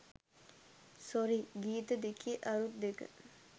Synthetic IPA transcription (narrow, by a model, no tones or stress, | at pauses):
soɾiɡiːt̪əd̪ekiʔɐɾut̪̚d̪ekə̰